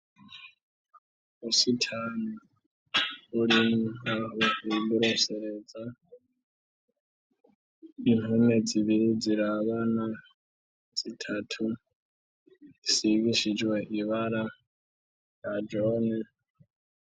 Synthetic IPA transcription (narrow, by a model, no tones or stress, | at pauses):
usitʰano | ulimahoeɓuɾoseɾed͡za | inuned͡ziβiɾid͡ziɾaβana | d͡z̥itʰatʰu | isiɡiʃid͡ʒweʔiβaɾa | jad͡ʒone